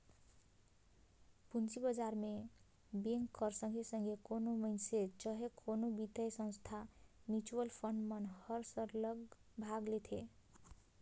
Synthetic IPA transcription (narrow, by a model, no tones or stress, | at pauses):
punt͡ʃibəd͡ʒaɾme | beŋkʌɾsʌŋɡʱesʌŋɡekonoməjnset͡ʃʌɦekʰonobit̪əjsʌ̃ñst̪ʰamjut͡ʃuəlpʰəɳɖmʌnhʌɾsʌɾlʌɡbʱaɡlet̪ʰe